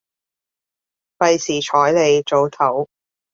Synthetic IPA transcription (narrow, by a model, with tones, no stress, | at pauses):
pɐ˨˧jsiː˨˩t͡ʃʰɔː˨˥jle˨˧jt͡so˨˧wt̪ʰɐ˨˥w